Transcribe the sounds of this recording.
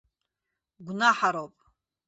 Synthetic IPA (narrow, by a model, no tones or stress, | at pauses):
ɡʷnaħaɾopʼ